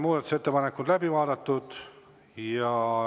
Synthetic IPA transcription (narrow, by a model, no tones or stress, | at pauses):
muːd̪ɑt̪ːu̥set̪ːepɑnekːˑud̪læbivɑːd̪ɑt̪ːud̪̥ | jɑ